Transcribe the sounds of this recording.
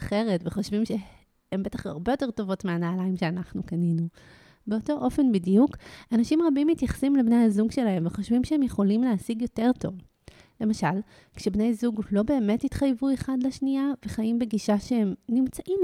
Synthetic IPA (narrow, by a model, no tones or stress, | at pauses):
χe̞ʁetveχo̞ʃvimʃe | embe̞taχa̰ʁbejote̞ʁto̞vo̞tmeanaːlaimʃe̞anaχnukaninu | beoto̞ʔo̞fe̞nbidijukanaʃimʁabimːitjaχḁsimlebne̞jhazuɡʃe̞laɦe̞mveχo̞ʃvimʃeemjeχo̞limleasiɡjo̞te̞ʁto̞̰v | le̞maʃal | kʃebnejzuɡlo̞be̞ːme̞titχajvue̞χadleʃniaveχajimbe̞ɡiʃaʃee̞mnimt͡saʔim